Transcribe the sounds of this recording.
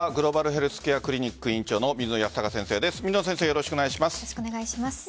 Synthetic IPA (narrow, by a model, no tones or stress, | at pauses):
aɡɯ̟ɾo̞baɾɯ̟ɦe̞ɾɯ̟sɨ̥kejakɯ̟ɾʲiɲ̟ikːɯ̟ĩɲ̟t͡ɕo̞ːno̞mʲizɨno̞jast̪akasẽ̞ɰ̃se̞ːd̪e̞sɨ̥mʲizɨnosẽ̞seːjoɾo̞ɕi̥koneɡaiɕimasɨ̥ɕi̥koneɡaiɕimas